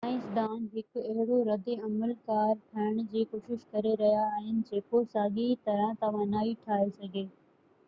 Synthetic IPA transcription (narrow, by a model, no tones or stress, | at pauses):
aːɪ̃sd̪aːnɦɪkʊɐɦɪɽoɾɐd̪eɐməlkaːɾʈʰɐɪɽ̃d͡ʑiːkoːʃɪʃkɐɾeɾɐɦijaːɦɪnɪ̆d͡ʑeːkosaːɠit̪ɐɾãt̪ɐʋ̤ãnaːiʈʰaːesɐɡʱeː